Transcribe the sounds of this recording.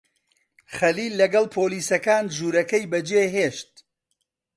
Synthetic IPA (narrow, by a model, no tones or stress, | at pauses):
χɐliːlːɐɡɐlˠpʰoːliːsɐkaːnʒuːɾɐkɐjbɐd͡ʒeːɦeːʃt̪̚